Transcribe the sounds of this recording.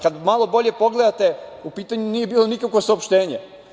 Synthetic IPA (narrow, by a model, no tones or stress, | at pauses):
kad̪malˠo̞bo̞ʎe̞po̞ɡle̞d̪at̪e̞upiːt̪aɲuniːjebiːlˠo̞nikakʋo̞saopʃt̪e̞ːɲe